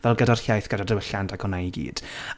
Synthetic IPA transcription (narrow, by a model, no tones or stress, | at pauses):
vɛlˠɡədar̥hjajθɡ̥ədadəwəɬandaɡʰɔnaiɡḭːd̥